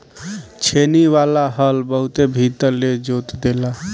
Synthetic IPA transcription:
t͡ʃʰeniʋalaɦəlbəɦut̪ebʱit̪əɾled͡ʒot̪d̪ela

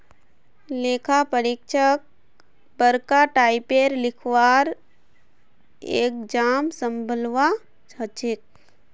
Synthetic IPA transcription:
leːkʰapəɾik̚t͡ʃʰək̚ | bəɾkaʈaːɪpeːɾlɪkʰʋaːɾ | ḛːk̚d͡ʒaːmsə̃mbʱəlʋa | t͡ʃʰət͡ʃɪk̚

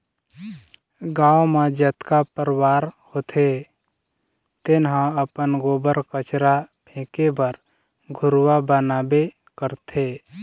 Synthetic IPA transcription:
ɡãːwmãd͡ʒət̪kapəɾwaːɾhot̪ʰe | t̪ɪnɦãəpənɡoːbəɾkət͡ʃɾapʰẽːkebəɾ | ɡʱʊɾwabənaːbe | kəɾt̪ʰe

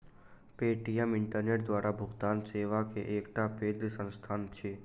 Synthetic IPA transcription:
peːʈijɛmɪ̃ɳʈəɾneːʈd̪ʋaːɾʔabʱʊɡt̪aːnseːʋakeʔeːkʈ̪apeːd̪sə̃nst̪ʰaːnt͡ʃʰeː

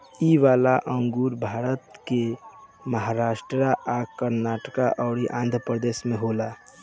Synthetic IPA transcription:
iʋaːlaʔəŋɡuːɾbʱaːɾət̪ke | məɦaɾaːsʈɾɾaʔakəɾnaʈəkaʔɔːɾiʔãːnd̪ʱɾəpɾəd̪eːsmẽɦola

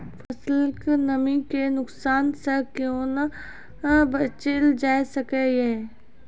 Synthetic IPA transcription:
fʰɐsəlknɐmikenʊksaːnsekjõːn | bət͡ʃeld͡ʒaːesɐkeeː

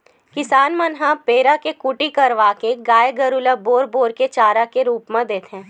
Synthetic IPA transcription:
kɪsaːnmənɦapeːɾakekʊʈikɐɾʋaːkeɡaːjeɡɐɾʊlaboːɾboːɾket͡ʃaːɾakeɾuːpmẽd̪eːt̪ɦɛ̃ː

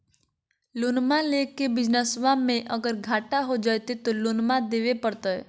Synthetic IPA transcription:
lonmãlekebɪd͡ʒnəsʋãmẽʔəɡəɾɡʱaːʈaɦod͡ʒajt̪et̪olonmãd̪eʋepəɾt̪oɛ̰

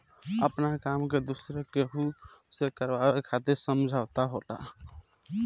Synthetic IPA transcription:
əpnakamked̪usɾekeɦusekəɾbaekʰat̪eɾsəmd͡ʒʱaʊt̪aɦola̰

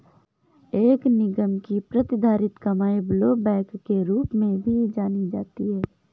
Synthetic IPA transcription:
eːknɪɡəmkipɾɐt̪ɪd̪ʱaːɾɪt̪kɐmaːebloːbɛ̃ːkːeɾuːpmẽbʱid͡ʒaːnid͡ʒaːt̪iɦɛː

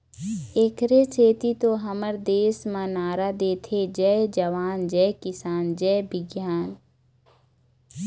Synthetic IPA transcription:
eːkʰɾet͡ʃʰeːt̪it̪oɦəməɾd̪eːsmãnaːɾad̪eːt̪ʰed͡ʒɛed͡ʒəʋaːnd͡ʒɛkɪsaːnd͡ʒɛːbɪɡjaːn

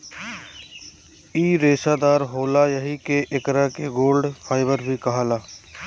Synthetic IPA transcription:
iːɾeːsaːd̪aːɾɦoːlajəɦikeʔɪkɾakeɡoːlɖfʰaːɪbəɾbʱikɐɦalaː

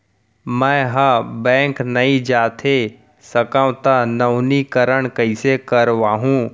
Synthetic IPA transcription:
mɛ̃ːɦabɛ̃ːŋknɐĩd͡ʒaːt̪ʰe | sɐkãʋ̃t̪anɐʊnikɐɾəɽ̃kɐisekɐɾʋaːɦũː

